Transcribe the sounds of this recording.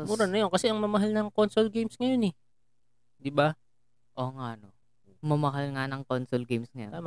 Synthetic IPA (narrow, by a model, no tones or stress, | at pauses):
uɾɐnɐjonkɐsɛʔɐŋmɐmɐɦalnɐŋkonsolɡejmsŋɐjonɛ | d̪ɪba | ʔoːŋaʔno | mɐmɐɦalŋanɐŋkonsolɡɛjmsŋɐjoam